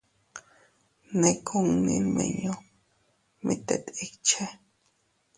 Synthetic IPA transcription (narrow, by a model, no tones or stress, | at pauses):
nekʰoŋninmḛɲo | mit̪ḛt̪ik̚t͡ʃʰe